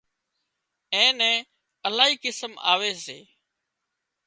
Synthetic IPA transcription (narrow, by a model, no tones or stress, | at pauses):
ɛ̃ːnɛ̃ː | əlaːɦiːkɪsəma̰ːʋeːseː